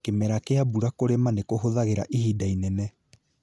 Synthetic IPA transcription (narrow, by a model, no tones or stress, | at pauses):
kemɛɾakeabuɾakoɾemanekoɦoðaɣeɾa̰ʔihiːdainɛnɛ